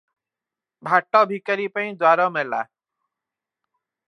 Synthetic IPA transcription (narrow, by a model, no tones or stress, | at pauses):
bʱaʈːɔbʱikəɾipãĩd̪waːɾɔmela̰ː